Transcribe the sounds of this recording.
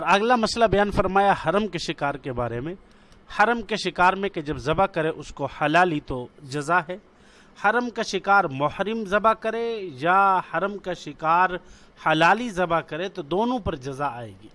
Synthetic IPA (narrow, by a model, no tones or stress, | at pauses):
ɔːɾɐɡlamɐslabɐjaːnfɐɾmaːjahɐɾəmkeʃɪkaːɾkebaːɾemẽ | hɐɾəmkeʃɪkaːɾmẽked͡ʒɐbzɐbakɐɾẽʔʊskohɐlaːlit̪od͡ʒɐzaɦɛː | hɐɾəmkaʃɪkaːɾmʊhɾɪmzɐbakɐɾẽjahɐɾəmkaʃɪkaːɾ | hɐlaːlizɐbakɐɾet̪od̪oːnõpɐɾd͡ʒɐzaaːḛːɡiː